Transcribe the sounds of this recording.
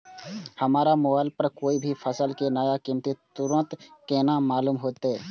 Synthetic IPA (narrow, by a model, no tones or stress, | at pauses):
həmaːɾamoaːlpəɾkoːibʱipʰəsəlkenəjakɪmt̪et̪ʊɾə̃nt̪keːnãmaːluːmɦoːt̪ɛː